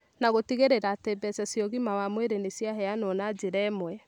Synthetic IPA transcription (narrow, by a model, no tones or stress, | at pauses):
naɣotiɣeɾeɾaːtɛbɛsɛsjɔɣimawamweɾenesjaɦɛanɔnad͡ʑeɾɛːmwɛ